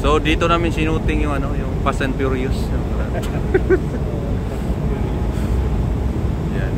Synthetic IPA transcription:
sod̪iːt̪onaːmɪnsinuːt̪ɪŋjʊŋɐnojʊŋpasɛnpjuɾiʊsjʊŋt̪ɐan | ja

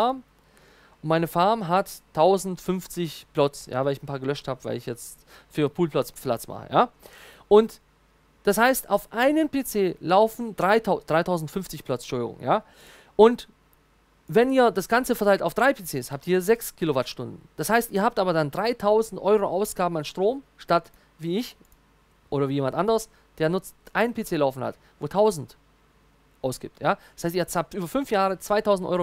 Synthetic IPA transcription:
aɐm | ʊntmaɪnəfaɐmɦatʰːaʊzn̩tfʏnft͡sɪçpl̥ɔt͡sja̰ːvaɪlɪçn̩pʰaːɐɡəlœʃthaːbəvaɪlɪçjɛt͡st | fyːɐpʰuːlplɔt͡spla̰t͡sma̰χə̰jaːʔʊnt | d̥ashaɪstaʊfʔaɪnənpet͡seːlaʊfn̩dʁaɪtʰad̥ʁaɪtʰaʊzn̩tfʏnft͡sɪçpl̥ɔt͡sʃʊldɪ̰ɡʊ̰ŋjaː | ʔʊnt | vɛniːɐdasɡ̥ant͡səfɛɐtʰaɪltaʊfd̥ʁaɪpʰet͡seːshaːp̚tiːɐzɛkskʰiːlovaɐtʃtʊndn̩d̥ashaɪstiːɐhaːp̚tʔaːbɐdandʁaɪtʰaʊzn̩tʔɔʏʁoʔaʊsɡ̥aːbm̩anʃtʁ̥oːmʃtat | viːɪç | ʔoːɾɐviːjeːmantʔandəʁəs | d̥eːɐnʊt͡stʔaɪnənpʰeːt͡seːlaʊfn̩ha̰t | voːtʰaʊzn̩t | ʔaʊsɡ̥ḭːptʰjaːd̥ḁshaɪstiɐt͡saːp̚tʔyːbɐfʏnfjaːʁət͡sv̥aɪtʰaʊzn̩tʔɔ̰ʏʁo

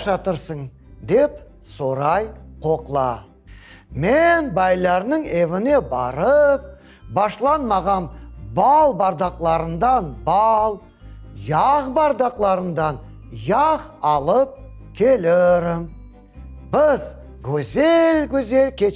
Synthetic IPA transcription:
ʒɑt̪əɾsəɴ | d̪e̞p | soɾɑjqʰo̞qlˠɑ̰ | menbɑjlˠɑɾnəɴe̞vɪne̞bɑ̰ɾəp̚ | bɑʃlˠɑnmɑʁɑnbɑlˠbɑɾd̪ɑqlˠɑɾənd̪ɑnbɑlˠ | jɑʁbɑɾd̪ɑqlˠɑɾənd̪ɑn | jɑqɑlˠəp̚ | kʲʰe̞lɪɾɪm | bɪz | kʲʰɵzelkʲʰɵze̞lkʲʰe̞

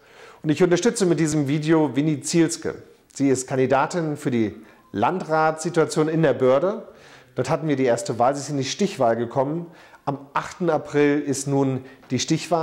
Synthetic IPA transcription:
ʔʊntɪçʊntɐʃtʏt͡səmɪt̚d̥iːzəmviːdeovinit͡silskə̰ | z̥iːɪstkʰandidaːtɪnfyːɐdiː | lantʁaːtz̥ituat͡sjoːnɪndeːɐbœɐdəd̥ɔɐthatn̩viːɐɾiːʔeːɐstəvaːlziɪstɪndiːʃtɪçv̥aːlɡəkʰɔmən | ʔamʔaχtn̩apʁ̥ɪlɪstnuːnd̥iːʃtɪçv̥aː

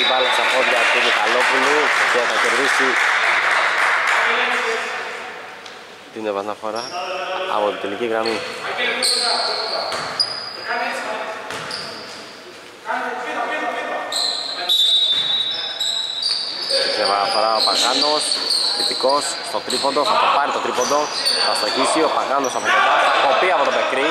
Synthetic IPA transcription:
valesɐpoʎɐt̪unek̪alo̞puluceθɐceɾðisi | t̪inepɐnɐfo̞ɾɐɐ̰pot̪it̪eliciɣɾɐmi | sevɐnɐfoɾɐo̞pɐɣɐno̞sθit̪iko̞s | st̪ot̪ɾipond̪osɐpopɐɾit̪o̞t̪ɾipond̪o̞ | θɐst̪oʝisio̞pɐɣɐno̞sɐpot̪oposɐpopiɐpo̞t̪omekɾi

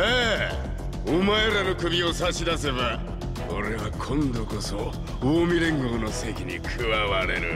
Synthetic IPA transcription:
eː | omaeɾano̞kɯ̟bʲio̞saɕid̪ase̞βa | oɾe̞βakʰõ̞nd̪o̞ko̞so̞ | oːmʲiɾẽ̞ŋɡo̞ːno̞se̞kʲiɲḭkʰɯβaβaɾe̞ɾɯ̟̰

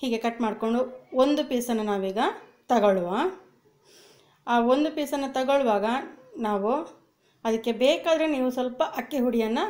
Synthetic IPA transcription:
hiːɡe̞kɐʈːmaːɽko̞ɳɖuond̪upiːsɐnːɐnaːʋiːɡɐt̪ɐɡɐɭuʋa | aːond̪upiːsɐnːɐt̪ɐɡɐɭuʋaːɡɐnaːʋu | ɐd̪ɐkːe̞beːkaːd̪ɐɾeniːʋusɐlpɐʔɐkːiɦuɽijɐnːɐ

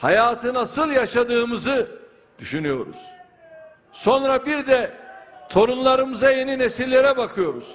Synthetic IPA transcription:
hajaːt̪ʰɯnasɯlˠjaʃad̪ɯːmɯzɯ | d̪̥yʃynyjo̞ɾṵz̥ | so̞nɾabiɾd̪ɛt̪ʰo̞ɾunlˠaɾɯmɯzaje̞ninesilʲːe̞ɾɛbakʰɯjo̞ɾuz̥

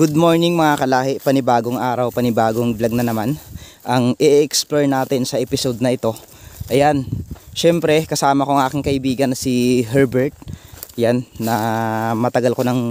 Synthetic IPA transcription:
ɡ̥ud̪̚mo̞ɹnɪŋmɐŋakɐlaːhɪʔpɐnɪbaːɡoŋʔaːɾɐwpɐnɪbaːɡoŋblɐɡ̚nɐnɐman | ʔɐŋʔɪʔʔɛksploɹnaːt̪ɪnsɐʔɛpɪsod̪nɐʔɪt̪o̞ | ʔɐjanʃɛmpɾɛkɐsaːmɐko̞ɐŋʔaːkɪŋkɐʔɪbiːɡɐnːɐsiɦɛɹbɛɹt̪̚janːɐmɐt̪ɐɡalko̞nɐŋ

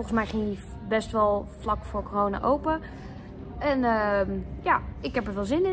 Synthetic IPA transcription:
lˠχən̩smɛjχɪŋi | bɛstʋɔlˠflɑkfoːkorowna̰ʔowpə | ɛnəjaɪkɦɛpəɹʋɪlˠzɪnɪ

